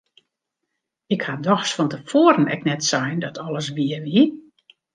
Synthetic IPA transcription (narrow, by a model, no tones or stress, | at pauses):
ɪkhadɔxsfɔntəfoːəɾənɛ̰k̚nɛtsajndɔtʰɔləs̬ʋiəʋi